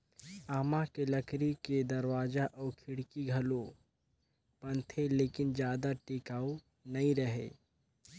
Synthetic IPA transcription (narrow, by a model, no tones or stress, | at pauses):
aːmakelɐkɾiked̪ɐɾwaːd͡ʒaʔɔːɾkʰɪɽkiɡʱɐlo | pɐ̃nt̪ʰeleːkɪnd͡ʒjaːd̪aʈiːkaːo | nɐĩɾɐɦḛ